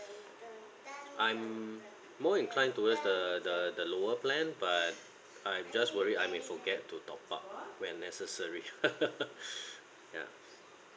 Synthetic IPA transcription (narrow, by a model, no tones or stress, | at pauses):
ʔãjmː | ɔĩnkʰlãɪj̃ntuwəsdədədəloəplɛ̃nbat̚ | ajd͡ʒaswəɹiajmẽfɔɡɛtʰːutʰɔpa̰p̚wɛ̃nːɛsəsəɹi | ja̰